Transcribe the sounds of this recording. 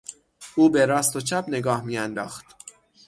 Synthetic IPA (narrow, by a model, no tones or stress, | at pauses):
uːbeɾɒːst̪ot͡ʃʰæbne̞ɡɒːhmiːjænd̪ɒ̰ːxt̪